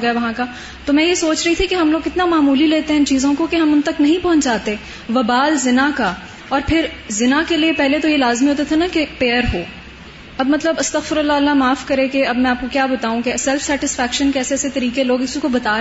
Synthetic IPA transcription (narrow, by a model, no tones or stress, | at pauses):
ɡɐjaʋɐɦãka | t̪omɛ̃ːjesoːt͡ʃɾɐɦit̪ʰikeɦɐmloːɡɪt̪namaːmuːlileːt̪eɦɛ̃ɪnt͡ʃiːzõkokeɦɐmʊnt̪ɐknɐɦĩpɔɦʊ̃ɲt͡ʃd͡ʒaːt̪eɛ | ʋɐbaːlzɪnaka | ɔːɾpʰɪɾzɪnakeliepɛɦlet̪ojelaːzmiɦoːt̪at̪ʰanakepeːəɾɦoː | ɐbmɐt̪ləbɐst̪ɐɣfɪɾɐlːaɐlːamaːfkɐɾẽkeɐbmɛ̃aːp̚kokjaːbɐt̪aːũkesɛlfsɛːʈɪsfɛːkʃənkɛːseɛːset̪ɐɾiːkeloːɡɪsikobɐt̪aː